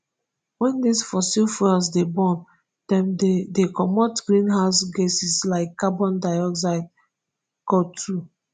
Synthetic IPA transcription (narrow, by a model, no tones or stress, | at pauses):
wɛ̃ndisfɔsilfɔasdebɔ̃n | d̥ɛ̃mddekɔmɔtɡɹĩnɦaʊsɡesislaɪkːabɔ̃ndaɪɔksaɪd̚ | kɔtʰu